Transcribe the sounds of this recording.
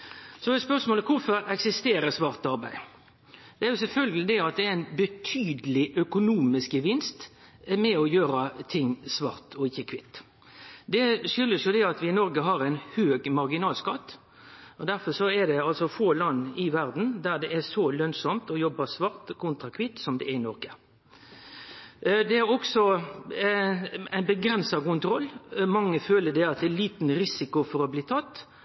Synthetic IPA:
sɔɛspœʂmoːləkʰʊɾfɔɾɛksɪst̪eːɾəsʋɑɾt̪ɑɾbæɪ | d̪ɛæɾjʊsɛlfœlɡəlɪd̪ɛɑt̪̚d̪ɛææɪnbət̪ʰyːd̪əlɪʔœkʊnuːmɪskəʋɪnst̪ | mɛɔjøːɾət̪ʰɪŋːsʋɑɾt̪ɔɪçːəkʰʋɪt̪ː | d̪ɛʃʏlːəsjʊd̪ɛɑt̪ʋɪnɔɾɡəɦɑɾæɪnhøːɡmɑɾɡɪnɑːlskɑt̪ː | ɔd̪æɾfɔsɔɛd̪ɛɑlsɔfoːlɑnːɪʋæɾd̪n̩d̪æɾd̪ɛʔæsɔlœnsɔmt̪ɔjɔbːəsʋɑʁt̪kʰʊnt̪ɾɑkʰʋɪt̪sɔmd̪ɛ̰ʔæɪnɔɾɡə | d̪ɛæɾɔksɔ | æɪnbəɡɾɛnsɑkʊnt̪ɾɔlːmɑŋːəføːləd̪ɛɑt̪̚d̪ɛːliːt̪nɾɪsɪkʊfɔɾɔbliːt̪ʰɑt̪ː

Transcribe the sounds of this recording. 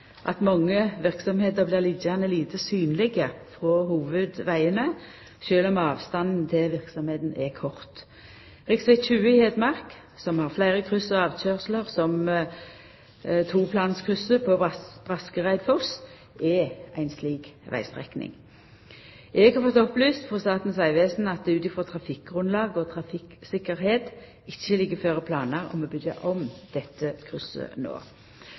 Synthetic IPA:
ʔɑ̰t̪mɑŋːəʋɪʁksɔmheːt̪əʁblɪːʁliːd̪jænəliːt̪ʰəsyːnlɪɡəfʁɔhuːʋʉd̪ʋæɪənə | ʃøːlɔmɑːʋst̪ɑnd̪n̩t̪ʰɪlʋɪʁksɔmheːt̪nɛkʰɔʁt̪ | ʁɪksʋɛt͡ʃʉːəɪheːd̪mɑʁk | sɔmhɑʁflæɪʁəkʰʁʉsəɑːʋt͡ʃøːʁsləʁsɔm | t̪ʰuːpʰlɑːnskʰʉsəpʰosb̥ʁɑskəʁæɪd̪fɔs | ɛʔæɪnsliːkʋæ̰ɪst̪ʁɛ̰knɪ̰ŋ | ʔɛɡhɑɾfɔt̪ɔplyːst̪fɔʁst̪ɑːt̪n̩sæɪʋeːsn̩ɑt̪̚d̪ɛːʉːt̪ɪfʁɔt̪ʰʁɑfɪk̚ɡʁʉnlɑːɡɔt̪ʰʁɑfɪksɪkːəʁheːt̪ | ɪçːəlɪɡːəføːʁəpʰlɑːnəʁɔ̰moːbʏd̪ə̰ʔɔmd̪̥ɛt̪ʰːəkʰʁʉsə̰no̰ː

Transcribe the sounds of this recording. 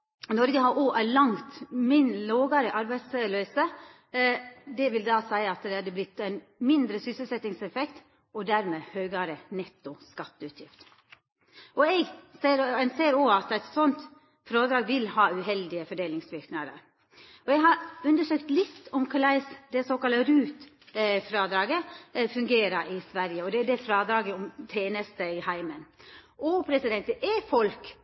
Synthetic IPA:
nɔɾɡəɦɑɾʔoːʔælɑŋt̪mɪnloːɡɑɾəʔɑɾbæɪt̪sløːsə | d̪ɛʋɪld̪ɑːsæɪəɑt̪d̪ɛɑd̪əblɪt̪ːæɪn | mɪnd̪ɾəsʏsəlsɛt̪ːɪŋsɛfɛkt̪ | ɔd̪æɾmeːhøːɡɑɾənɛt̪ːʊskɑt̪ːəʉt̪ʰjɪft̪ | ʔɔɛɡseːɾɛnseːɾɔːɑt̪æɪt̪sɔnt̪ | fɾɑːd̪ɾɑːɡʋɪlhɑːʉɦɛld̪ɪəfɔɖeːlɪŋsʋɪɾknɑd̪ə̰ɾ | ɔɛɦɑɾʉnd̪əʂøːkt̪lɪt̪ːɔmkʰʊlæɪsd̪ɛsoːkɑləɾʉːt̪ | fɾɑːd̪ɾɑːɡəfʉŋɡeːɾəɾʔɪsʋæɾjəɔd̪ɛd̪ɛfɾɑːd̪ɾɑːɡəɔmt̪ʰeːnəst̪əɪhæɪmənʔɔpʰɾɛsɪd̪ɛnt̪əʔɛfɔlk

